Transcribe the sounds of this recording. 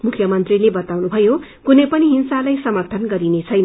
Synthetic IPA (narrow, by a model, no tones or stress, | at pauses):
mukʰjʌmʌnt̪rilebʌt̪awnubʱʌjo | kunʌjpʌniɦinsalajsʌmʌrt̪ʰʌnɡʌɾinet͡sʰʌjn